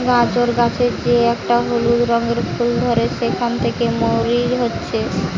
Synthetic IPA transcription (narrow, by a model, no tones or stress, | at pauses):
ɡãt͡ɕoɾɡat͡ɕʰed͡ʑeɛkʈaɦulud̪ɾɔŋɡeɾpʰuld̪ʱoɾeʃekʰant̪ʰekemoɾiɾɦotːɕʰe